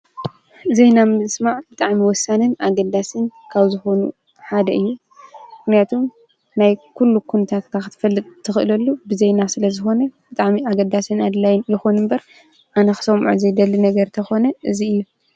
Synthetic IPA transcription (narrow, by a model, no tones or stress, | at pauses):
zejnamɨnɨsmaʕbɨt̪ʼaʕmiwɔsːanɨnaɡɐd̪asɨnkʰaβzɨxo̞nṵ | ħad̪ɐʔɨjːu | mɨxnijat̪ʰom | najkʰulːukʰunɐt̪ʰat̪kʰaxɨt̪ʰɨ̥fɐlːɨt̪ʼt̪ʰːɨxɨʔɨlɐlːubɨzejnasɨlɐzɨxo̞nɐb̥ɨt̪ʼaʕmiaɡɐd̪asɨnad̪lajɪnjɪxonɨmbɐɾ | ʔanɐxɨ̥sɐmʕṵzɐjd̪ɐlːinɐɡɐɾt̪ʰɐxo̞nɐʔɨziɨjːu